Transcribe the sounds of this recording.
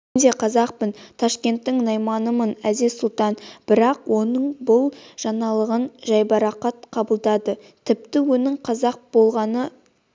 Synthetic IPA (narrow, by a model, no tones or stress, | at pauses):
d̪e̞qʰɑzɑq̚pənt̪ʰɑʃkʲe̞nt̪ːɪŋnɑjmɑnəmənæd̪e̞sʊlˠt̪ɑnb̥ɪɾɑqwʔo̞nəɴbʊlˠʒ̥ɑnɑlˠəʁənʒɑjbɑɾɑqɑt̪̚qʰɑbəlˠd̪ɑd̪ət̪ʰɪp̚t̪ɪwɵnɪɴqʰɑzɑq̚b̥o̞lˠʁɑnə